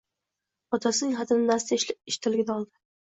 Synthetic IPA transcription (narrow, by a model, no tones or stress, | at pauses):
ɒt̪ʰasɪnɪŋχat̪ʰɪnɪnast̪aʃɪʃt̪ʰɪlɪɡʲɪnaɒlˠd̪ɪ